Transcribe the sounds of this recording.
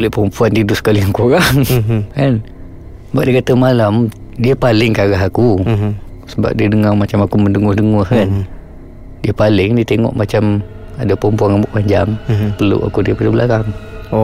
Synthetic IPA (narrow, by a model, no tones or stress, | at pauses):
olɛhpəɾəmpuandiədʊsə̥kaliaŋkuɾaŋkan | baʔ̚diəkat̪əmalam | diəpalɪŋkaɣaɦaku | səba̰p̚diədəŋamat͡ʃamakuməndəŋʊhdəŋɔhkan | diəpalɪŋdiət̪eŋɔ̰ʔmat͡ʃam | adapəɾəmpuanabuʔpaɲd͡ʒaŋpəlṵʔa̰kudiəpadəbəlʔakaŋ